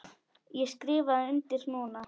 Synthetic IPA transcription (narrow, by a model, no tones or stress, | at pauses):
jɛskɾɪːvaðʏnt̪ɪɾnuːna